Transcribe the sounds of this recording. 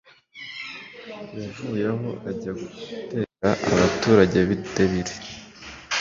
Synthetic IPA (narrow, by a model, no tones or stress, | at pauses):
javujaɦo̞aɟaɡute̞kaʔaβatuːɾaɟe̞βitaβiɾe